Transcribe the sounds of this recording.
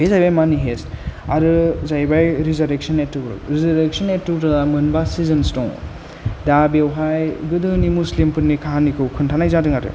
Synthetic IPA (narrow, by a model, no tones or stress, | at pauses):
ezajbajmaniɦestaɾɯzajbajɾizaɾek̚sɐnetːɯkɾɯ̰ɾizɐɾek̚sɔnetːuɾɯdamɯnbasizɯnstɔŋ | dabewɦajɡɯdɯnimuslimpɯnːikʰaɦanikʰɯwkʰɯntʰanajzadɯŋatɯ̰